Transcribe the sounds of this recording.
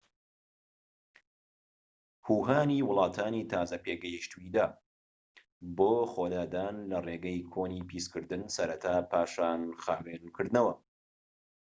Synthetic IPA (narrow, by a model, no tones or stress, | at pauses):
huːɦaːniːwʊlˠɑːt̪ʰaːniːt̪ʰaːzɐpeːɡɐjiʃt̪uid̪aː | boːxod̪aːd̪aːnlɐreːɡɐjkʰoːniːpʰiskɨɾd̪ɨnsɐɾɐt̪ʰaːpʰaːʃaːnxaːwennkʰɨɾd̪ɨnɐwɐ